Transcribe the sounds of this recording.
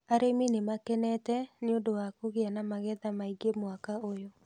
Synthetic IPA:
aɾeminemakɛnɛtɛneondowakoɣeanamaɣɛðamaiɡemwakaojo

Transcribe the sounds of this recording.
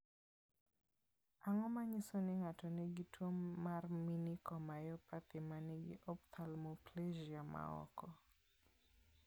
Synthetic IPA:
aŋɔmaɲisonɪŋatɔneɡitʰwomːarminikɔmajɔpat̪ɪmaneɡɪ̰ʔɔpt̪ʰalmopleʒiama̰ɔ̰kɔ

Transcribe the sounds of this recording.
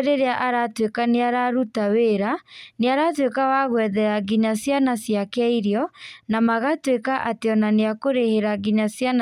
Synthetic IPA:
ɾeɾeaʔaɾatwekaneaɾaɾutaweɾaneaɾatwekawaɣwɛðɛɾaɡiɲasjanasjakaiɾiɔnamaɣatwekaʔateɔnaneakoɾeheɾaɡiɲasjan

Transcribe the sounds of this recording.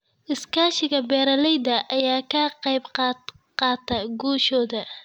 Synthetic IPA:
ʔɪskʰaːʃɪɣɐbɛːɾɐlɛjd̪ɐʔɐjaːkʰɐqɑjbqɑ | qɑːt̪ʰɐɡuːʃɔːðɐ

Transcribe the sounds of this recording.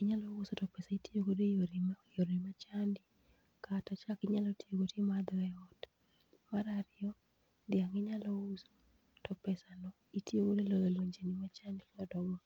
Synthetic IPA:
ɪɲalɔwusotɔpɛsaitʰiokodejoɾimajoɾimat͡ʃandi | katɔt͡ʃakɪɲalɔtiokotemad̪ɔɛɔt | maɾaɾɪɔ | dɪaŋɪɲalɔwuso̥ | tɔpɛsanɔ | itiokodelɔlolwoɲd͡ʒenimat͡ʃandinɔdɔɡɔ

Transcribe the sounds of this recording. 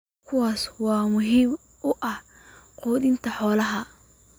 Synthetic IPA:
kʰʊwɑːswɑːmʊɦiːm | ʊʔɐh | qɔːd̪ɪnt̪ʰɐħɔːlɐɦɐ

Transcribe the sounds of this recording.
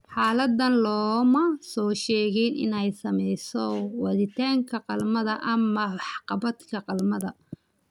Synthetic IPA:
ħaːlɐd̪ːɐnlɔːmɐsɔːʃɛːɣɛjnɪ̰nɛjsɐmɛjsɔwɐðɪt̪ʰaːŋkʰɐqɑlmɐðɐʔɐmɐħqɑbɐd̪kʰɐqɑlmɐðɐ

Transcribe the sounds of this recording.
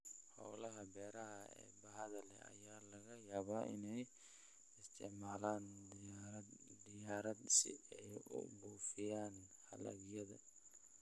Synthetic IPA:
ħɔ̰wlɐɦɐbɛːɾɐɦɐɛ̰ːbɐɦɐðɐlɛ̰ɐ̰jaːlɐɣɐjaːβaːʔɪnɛj | ɪst̪ʰɪʕmaːlaːndɾɐd̪d̪ɪjaːɾɐd̪sɪ̰ɛjʊ̰buːfɪjaːnhɐ̰lɐ̰ɡjɐðɐ̰

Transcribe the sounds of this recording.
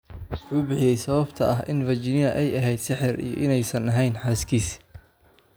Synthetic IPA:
wʊħuːbɪħɪjɛjsɐβɐbt̪ʰɐʔɐɦʔɪnvɐt͡ʃɪnɪjɐʔɛjɐɦɛjd̪sɪħɪrḭjɞ̰ʔɪnɛjsɐnɐɦɛjnħaːskʰiːs

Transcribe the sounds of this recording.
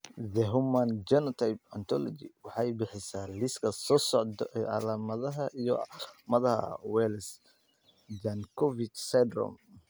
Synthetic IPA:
ðɛɦʊmand͡ʒɛnɔt̪ʰajpɐnt̪ʰɔ̰lɔ̰d͡ʒḭwɑħɑjbɪħɪsaːlɪskʰɐsɔːsɔʕd̪ɛɑ̰laːmɐðɐɦɐʔijɔ̰mɐðɐhɐ̰wɛːls | d͡ʒankʰɔvit͡ʃsɛd̪rɔ̰m

